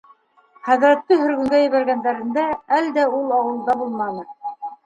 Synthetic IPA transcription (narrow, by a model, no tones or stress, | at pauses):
χæðɾæt̪ːɘɦɵ̆ɾɡɵ̆ŋɡæjɘ̆βæɾɡænd̪æɾɘ̆nd̪ææld̪æulˠɑwɤ̆lˠd̪ɑbulˠmɑnɤ